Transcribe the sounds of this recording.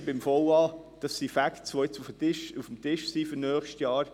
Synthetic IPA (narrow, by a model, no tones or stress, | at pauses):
bɪmfɔwɑː | d̥ɑsːifæktsʋojɛt͡sufətɪʃufm̩tɪʃsiːfyɾnœːχʃtjɑːɾ